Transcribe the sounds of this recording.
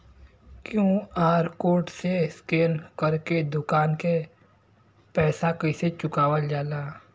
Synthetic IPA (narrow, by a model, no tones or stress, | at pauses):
kjõːaːɾkoːʈseskeːnkəɾked̪ʊkaːnke | pɛːsakəɪset͡ʃʊkaːwəld͡ʒaːlaː